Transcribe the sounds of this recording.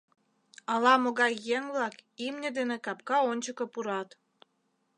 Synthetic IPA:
ɑlɑmoɣɑjːeŋβlɑkimnʲed̪enekɑp̚kɑonʲt͡ɕəkɤ̆puɾɑt̪

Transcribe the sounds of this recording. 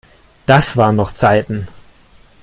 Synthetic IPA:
d̥asv̥aːɐnɔχt͡saɪtn̩

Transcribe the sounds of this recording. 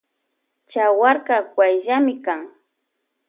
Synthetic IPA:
t͡ʃawaɾkakwajʒamɪkaŋ

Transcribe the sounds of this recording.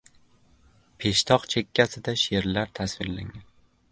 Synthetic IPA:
pʰe̞ʃt̪ʰɒqt͡ʃʰekʲʰːasɪd̪aʃeɾlaɾt̪ʰasvɪɾla̰ŋan

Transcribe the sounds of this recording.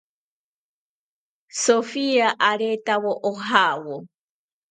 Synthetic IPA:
sofiaʔaɾet̪awoʔoɦawo

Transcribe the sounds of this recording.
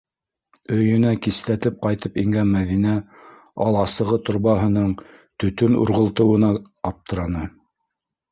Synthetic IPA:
ɵ̆jɵ̆nækislæt̪ɘp̚qɑjt̪ɤpiŋɡænmæðinæ | ɑlˠɑsɤ̆ʁɤt̪ŏɾβɑɦɤ̆nɤɴ | t̪ɵ̆t̪ɵnṵɾʁɤ̆lˠt̪ɤ̆wɤ̆nɑ | ɑp̚t̪ɤ̆ɾɑnɤ

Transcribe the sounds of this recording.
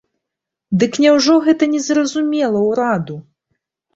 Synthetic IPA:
d̪ɨknʲɛwʐɔɣɛt̪ɐnʲɛzrɐzumʲɛlˠɐwɾad̪u

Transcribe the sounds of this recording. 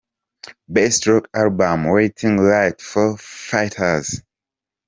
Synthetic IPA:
bestɹɔkalbãmweɪtʰĩŋlaɪtfɔfaɪtʰəz̥

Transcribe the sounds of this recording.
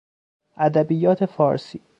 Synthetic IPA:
ʔæd̪æbijːɒːt̪ʰefɒːɾsiː

